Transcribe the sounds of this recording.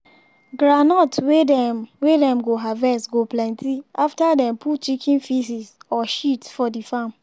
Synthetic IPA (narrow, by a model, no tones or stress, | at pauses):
ɡɾanɔtwedɛwedɛ̃mɡoɦavɛstɡoplɛ̃ntiaftadɛ̃mpʰut͡ʃikʰĩnfisisɔʃitfɔdifam